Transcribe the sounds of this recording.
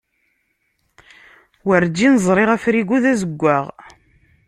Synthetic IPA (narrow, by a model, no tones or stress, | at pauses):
wəɾd͡ʒːinəzˤɾˤɪʁæfɾiɡuðæzəɡʷːaʁ